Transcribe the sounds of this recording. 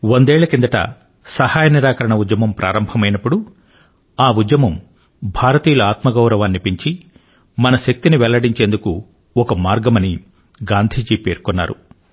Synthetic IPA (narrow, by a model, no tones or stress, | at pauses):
wond̪ɛːɭɐkind̪ɐʈɐ̰ | sɐhaːjɐniɾaːkɐɾɐɳɐud͡ʒjɐmɐmpɾʔa̰ːɾɐmbʱɐmɐjnɐpːuɽu | aːud͡ʒ̪jɐmɐm | bʱaːɾɐt̪iːjɐluaːt̪mɐɡɐwɾɐʋaːnːipiɲt͡ʃi | mɐnɐʃɐk̚t̪iniʋɛlːɐɽiɲt͡ʃeːnd̪uku | ɔkɐmaːɾɡɐmɐni | ɡaːnd̪ʱiːd͡ʒiːpeːɾkonːa̰ːɾṵ